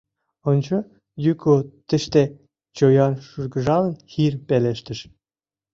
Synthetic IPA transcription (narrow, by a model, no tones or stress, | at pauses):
ŏnt͡ɕɤ̆ | jykot̪ɘ̆ʃt̪e | t͡ɕojɑnʃurɡɤ̆ʒɑlɤ̆nxirpeleʃt̪ɘ̆ʃ